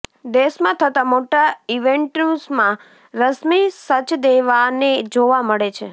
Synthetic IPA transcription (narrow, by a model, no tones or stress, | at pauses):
d̪eʃmãt̪ʰət̪amoʈaiʋeɳʈnusmã | ɾəsmisət͡ʃd̪eʋaned͡ʒoʋaməɭet͡ʃʰe